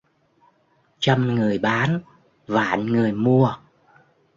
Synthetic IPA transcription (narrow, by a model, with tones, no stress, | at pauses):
t͡ɕə˧mŋɨ˨˩əjɓaː˨˦n | va̰ː˧˩nŋɨ˨˩əjmu˧ə